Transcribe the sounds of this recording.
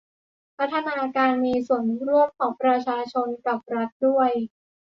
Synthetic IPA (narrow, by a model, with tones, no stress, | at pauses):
pʰa˦˥t̪ʰːa˧naː˧kaː˧nmiː˧su˨˩˦ənɾu˥˩əmkʰɔː˩˦ŋpɾa˧t͡ɕʰaː˧t͡ɕʰo˧nka˨˩p̚ɾa˦˥t̪̚du˥˩əj